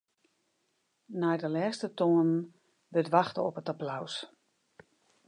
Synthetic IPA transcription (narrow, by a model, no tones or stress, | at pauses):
najdəlɛːstətoənn | ʋədʋaxtəɔpətaplaws